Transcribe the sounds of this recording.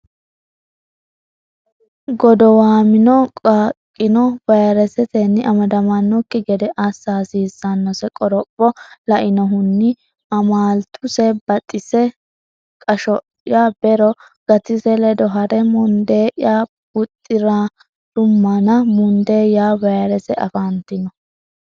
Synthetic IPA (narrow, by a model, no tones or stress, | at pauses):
ɡɔd̪ɔwaːmɪnɔkʼaːkʼːɪnɔbɐjɾɛsɛt̪ɛnːɪʔɐmɐd̪ɐmɐnːɔkːɪɡɛd̪ɛʔɐsːaːsiːsːanːɔsɛkʼɔɾɔpʼːɔlɐʔɪnɔɦʊnːɪ | ɐmaːlt̪ʰʊsɛbɐt̪ʼːɪsɛ | kʼɐʃɔ | jabɛɾɔ | ɡ̥ɐt̪ɪsɛlɛd̪ɔɦɐɾɛmʊnd̪eːʔjaː | bʊt̪ʼːɪɾa | d̪̥ʊmːɐnɐmʊnd̪eːjaːbɐjɾɛsɛʔɐ̰fant̪ɪnɔ